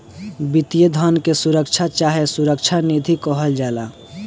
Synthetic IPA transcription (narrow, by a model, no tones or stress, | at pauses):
bit̪ijəd̪ʱənkesuɾəkt͡ʃʰat͡ʃaɦesuɾəkt͡ʃʰanid̪ʱikɔɦəld͡ʒala